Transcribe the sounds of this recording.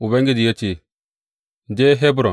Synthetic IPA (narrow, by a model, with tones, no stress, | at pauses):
u˨be˦ŋɡi˦di˨je˦t͡ʃi˦˨ | d͡ʒe˦ɦe˦bu˦ɾɔ˨